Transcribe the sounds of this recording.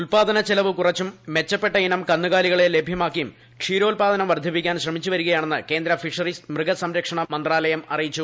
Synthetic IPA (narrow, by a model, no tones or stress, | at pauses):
ulpaːd̪ɐnɐt͡ɕelɐʋɨkurɐt͡ɕːumːe̞t͡ɕːɐpːeʈːɐinɐmkɐnːuɣaːliɣɐɭele̞bʱjɐmaːkːijum | kʂiːɾo̞ːlpaːd̪ɐnɐmʋɐrd̪ʱipikʲːaːnɕrɐmit͡ɕːuʋɐɾuɣɐjaːɳenːɨke̞ːnd̪ɾɐfiʂɐrismrɨɡɐsɐmɾɐkʂɐɳɐmɐnd̪raːlɐjɐmɐrijit͡ɕːu